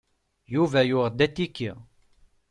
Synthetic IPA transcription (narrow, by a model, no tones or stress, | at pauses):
juvæjʊʁd̪æt̪ːikːi